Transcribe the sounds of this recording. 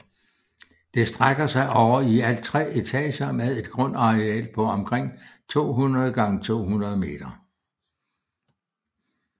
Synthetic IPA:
d̥e̝sd̥ʁaɡ̥ɐsɑ̈ɪʔɒʊɐiælt͡sʰʁɛ̰ʔe̝t͡sʰɛ̰ːɕɐmeðˠe̝d̥ɡ̥ʁɔ̽n̰ɑ̈ʁeɛ̰ːlpʰɒ̽ɒ̽mkʰʁeŋ̰t͡sʰo̝̰ːɦunʁɐð̞̩ˠɡ̥ɑ̈ŋət͡sʰo̝̰ːɦunʁɐð̞ˠme̝̰ːd̥ɐ

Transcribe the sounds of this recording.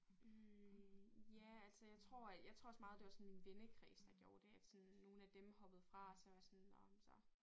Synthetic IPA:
jæælsəjɑ̈ɪt͡sʰʁo̝ɐ̰jɑ̈t͡sʰʁo̝̰ɒsmɑ̈ːð̩ˠd̥e̝ʋɑ̈sɒ̽nminʋenəkʰʁḭːsd̥ɑ̈ɡ̥jo̝ːɐd̥e̝æd̥sɒ̽nːo̝ːn̩æd̥emhɒ̽b̥əð̩ˠfʁɑ̈sɒʋɑsɒnːɒsɒ̽

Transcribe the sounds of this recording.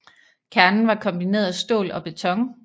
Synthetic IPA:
kʰæɐnn̩ʋɑ̈kʰɒ̽mb̥ine̝̰ːɐðˠsd̥o̝̰ːlɒ̽b̥e̝t͡sʰɒ̽ŋ

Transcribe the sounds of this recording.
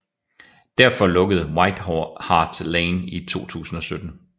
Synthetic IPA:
d̥æɐ̰fɒ̽lɔ̽ɡ̥əð̞̩ˠwɑ̈ɪ̰d̥ɦɒhɑ̈ːd̥leɪnit͡sʰo̝̰ːt͡sʰṵːsn̩ɒ̽sød̥n̩

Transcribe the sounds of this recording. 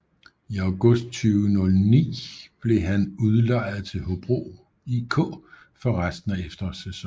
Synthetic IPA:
iɑʊɡ̥ɔ̽sd̥̚t͡sʰyːʊnɔ̽lnḭːb̥le̝ɦænuðˠlɑ̈ɪ̰ð̩ˠt͡sʰe̝lɦo̝b̥ʁo̝̰ | ikʰɔ̰̽ː | fɒ̽ʁasd̥n̩æefd̥ɐsesɒ

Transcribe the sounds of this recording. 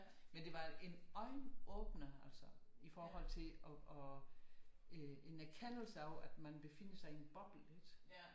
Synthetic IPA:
mend̥e̝ʋɑ̈e̝nɒ̽ɪnɔːb̥nɐæl̰sɒifɒːhɒ̽l̰t͡sʰe̝lɒʔɒ | øe̝nækʰæn̰l̩səɒʊæd̥mænb̥e̝fe̝n̰əsɑ̈ɪienb̥ɒ̽b̥l̩ed̥

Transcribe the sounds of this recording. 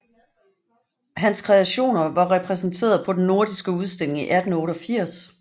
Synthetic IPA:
ɦænskʰʁɛæɕo̝̰ːnɐʋɑ̈ʁɛpʰʁɛsn̩t͡sʰe̝̰ːɐð̩ˠpʰɒ̽d̥enːo̝ɐd̥isɡ̥əuð̞ˠsd̥e̝l̰e̝ŋiʔæd̥n̩ɔ̽ːɾɒfiɐ̰s

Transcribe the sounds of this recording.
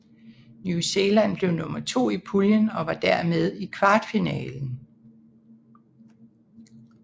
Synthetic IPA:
njuse̝lænb̥le̝ʊnɔ̽mɐt͡sʰo̝̰ːipʰuljənɒ̽ʋɑ̈d̥æɐ̰með̞ˠikʰʋɑ̈ːd̥finɛ̰ːln̩

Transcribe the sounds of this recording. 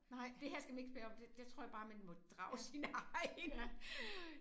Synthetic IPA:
nɑɪ̰d̥ehæɐ̰sɡ̥æmæne̝ɡ̥əsb̥øːɒ̽md̥ed̥at͡sʰʁo̰ɐ̰jɑb̥ɑ̈ːmænmɔ̽d̥ʁɑ̈ʊsinɑɪ

